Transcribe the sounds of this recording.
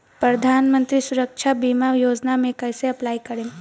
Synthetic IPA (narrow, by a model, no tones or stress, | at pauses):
pɾəd̪ʱanmənt̪ɾiːsuɾəkʃʰabimajod͡ʒnamekəjseɐplajkəɾem